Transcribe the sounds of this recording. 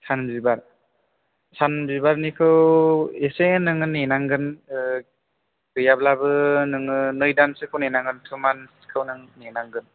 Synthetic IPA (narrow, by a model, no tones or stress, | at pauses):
sanmzibaɾ | sanmzibaɾnikʰɯwesenɯŋɯnenaŋɡɯn | ɡɯjablabɯnɯŋɯnɯjdansɯkʰɯwnenaŋɡɯntʰɯmanskʰɯwnɯŋnenaŋɡɯn